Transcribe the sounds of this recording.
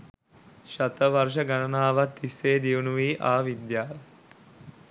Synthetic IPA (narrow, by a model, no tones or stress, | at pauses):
ʃat̪əʋarʂ̬əɡanənaːʋat̪ːisːeːd̪iunuʋiːʔaːʋid̪jaːʋə